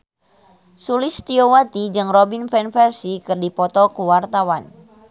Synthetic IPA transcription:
sulist̪iowat̪id͡ʒɨŋrɔbinfɛnfɛrsikɨrdipɔt̪ɔkuwart̪awan

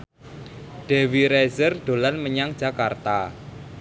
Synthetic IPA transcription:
ɖ̥e̤wiɾɛzərɖ̪̥olanməɲaŋ̥d͡ʒ̥a̤kart̪a

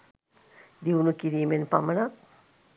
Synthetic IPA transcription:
d̪iwnukiɾiːmenpamənak̚

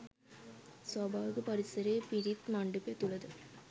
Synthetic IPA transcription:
sɐbaːʋɯkɯpɐɾɪsɐɾeːpɪɽit̪mɐɳɖɯpːeːt̪ːuɭɐðɯ

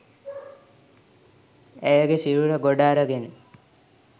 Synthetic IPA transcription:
ɛjəɡeʃiɾuɾəɡoɖaːɾəɡene

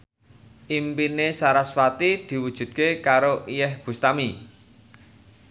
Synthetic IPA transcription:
ʔimpinesaɾasfat̪id̪̥i̤wud̥ʒ̥ṳd̪̚kekaɾoʔijɛhb̥ṳst̪ami

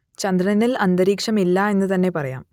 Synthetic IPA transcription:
t͡ɕɐnd̪ɾɐnɐnːilɐnd̪ɐɾiːkʂɐmilːɐe̞nːɨt̪ɐnːe̞pɐrɐja̰ːm

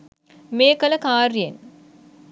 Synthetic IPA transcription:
meːkɐlɐkaːɾijen

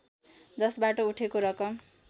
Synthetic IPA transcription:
d͡zʌsbaʈouʈʰekoɾʌkʌm

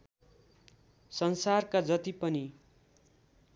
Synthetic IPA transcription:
sʌnsarkad͡zʌt̪ipʌni

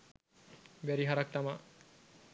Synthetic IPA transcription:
bæɾiɦaɾak̚t̪ama

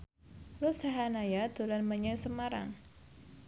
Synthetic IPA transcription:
rusaɦanajad̪ṳlanməɲaŋsəmaɾa̰ŋ

